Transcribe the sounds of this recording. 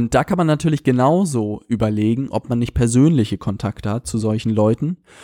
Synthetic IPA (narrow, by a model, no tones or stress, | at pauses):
ʊnt̚d̥aːkʰanmanːatʰyːɐlɪçɡ̥ənaʊzoːʔyːbɐleːɡŋ̩ʔɔ̰pmanːɪçt̚pʰɛɐzøːnlɪçəkʰɔntʰaktəhat̚t͡suzɔlçn̩lɔʏtn̩